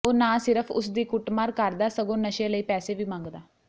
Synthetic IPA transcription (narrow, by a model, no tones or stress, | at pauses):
oːnaːsɪɾəpʰʊ̰sd̪iːkʊʈmaːɾkəɾd̪aːsəɡõːnəʃẽːləiːpɛːseːʋiːmãːŋɡd̪aː